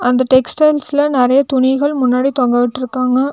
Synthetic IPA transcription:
ɐnd̪ɐʈɛksʈɐɪlsɪlɐnɪɾɐjɐt̪ʊnɪɣɐɭmʊnːaːɽit̪ɔŋɡɐʋɪʈːɪɾɯkːaːŋɡɐ

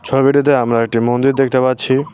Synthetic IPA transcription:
t͡ɕʰɔbiʈit̪̬eamɾaek̚ʈimond̪iɾd̪ek̚t̪epatːt͡ɕʰi

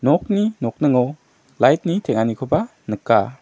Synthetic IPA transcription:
nɔk̚ninɔk̚nɯŋɔw | lajt̚nitʰeŋanikʰoba | nɯkːa

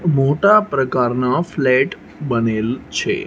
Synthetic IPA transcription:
moʈapɾəkaɾnaflɛʈ | bənelt͡ʃʰḛ

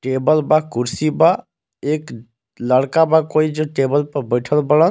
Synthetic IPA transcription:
ʈebəlbakuɾsiba | ek | ləɽkabakoid͡ʒoʈebəlpəɾbəɪʈʰəlbələn

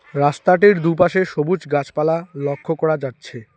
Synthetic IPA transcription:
ɾast̪aʈ̬iɾd̪up̬aʃeʃobut͡ɕɡat͡ɕpalalokʰːokɔɾad͡ʑatːɕʰe

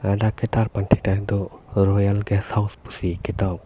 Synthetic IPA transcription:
adakɛtaɾpantʰɛktadɔɾɔjalɡɛsawspusikɛtaw

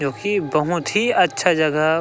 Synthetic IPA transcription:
d͡ʒõːkibɐɦʊ̃t̪ɦiɐtːʃʰad͡ʒɐɡə

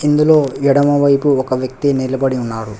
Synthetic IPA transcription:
ind̪ulo̞ːʋiɽɐmɐʋɐjpuɔkɐʋjɐk̚t̪inilɐbɐɽiunːaːɽu

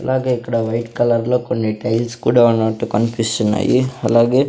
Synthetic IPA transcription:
ɐlʔaːɡeikɐɽɐʋɐjʈkɐlɐɾlokoɳɖiʈɐjlskuːɽɐʋɐnoːʈːukɐnfjuːʃɐnːa̰ːjiɐlːaːɡe

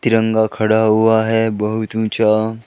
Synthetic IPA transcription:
t̪iɾə̃ŋɡakʰɐɽaɦuaɦɛbəɦut̪ũt͡ʃa

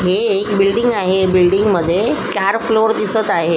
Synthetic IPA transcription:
ɦeːkbilɖiŋɡaɦebilɖiŋɡməd̪ʱːjekaɾfloɾd̪isət̪aɦe

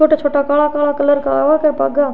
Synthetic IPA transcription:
oːʈːat͡ʃʰoːʈːakaːlakaːlaːkɐlɐɾkaaːʋaːkɐpa̰ːɡa

